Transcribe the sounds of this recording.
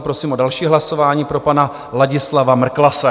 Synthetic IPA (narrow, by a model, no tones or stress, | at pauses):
pɾosiːmʔodalʃiːɦlaso̞vaːɲiːpɾo̞pana | laɟɪslavamr̩klasɛ